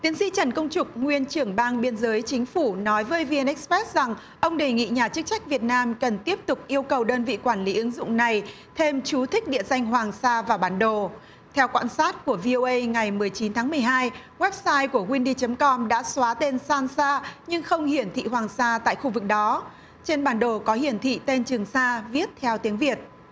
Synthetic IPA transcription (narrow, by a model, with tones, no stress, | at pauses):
t̪i˨˦əŋsḭ˧˥t͡ɕə˧˩nkə˧wŋ͡mt͡ɕʊ˨˩k͡p̚ŋwi˧ənt͡ɕɨ˧˩əŋɓaː˧nɓi˧ənzəː˨˦jt͡ɕï˨˦ŋ̟fu˧˩nɔ˨˦jvəː˨˦jvi˧nʔɛ˦˥k̚spɛ˦˥t̚za˨˩ŋ | ʔə˧wŋ͡mɗe˨˩ŋḭ˧˨ɲaː˨˩t͡ɕɨ˦˥k̚t͡ɕa˦˥jk̚vi˨˩ət̚naː˧mkə˨˩nt̪i˦˥əp̚t̪ʊ˨˩k͡p̚ʔi˧əwkə˨˩wɗəː˧nvḭ˧˨kwaː˧˩nli˨˦ʔɨ˨˦ŋzʊ̰˧˨ŋ͡mna˨˩j | t̪ʰe˧mt͡ɕu˨˦t̪ʰï˦˥k̟̚ɗḭ˧˨əza˧jŋ̟ɦwaː˨˩ŋsaː˧vaː˨˩ɓaː˨˦nɗo˧˩ | t̪ʰɛ˧wkwa̰ː˧˥nsaː˦˥t̚ku˧˩əvi˧ʔo˧ʔə˧jŋa˨˩jmɨ˨˩əjt͡ɕi˨˦nt̪ʰaː˨˦mɨ˨˩əjɦaː˧j | ɣwɛ˦˥p̚saː˧jku˧˩əkwi˧nɗi˧t͡ɕə˨˦mkɔ˧mɗa̰ː˧˥swaː˨˦t̪e˧nsaː˧nsaː˧ɲɨ˧ŋxə˧wŋ͡mhi˧˩ənt̪ʰḭ˧˨ɦwaː˨˩ŋsaː˧t̪a̰ː˧˨jxu˧vɨ˨˩k̚ɗɔ˨˦ | t͡ɕe˧nɓaː˨˩nɗo˨˩kɔ˨˦hi˧˩ənt̪ʰḭ˧˨t̪e˧nt͡ɕɨ˨˩əŋsaː˧vi˦˥ət̚t̪ʰɛ˧wt̪i˨˦əŋvi˨˩ət̚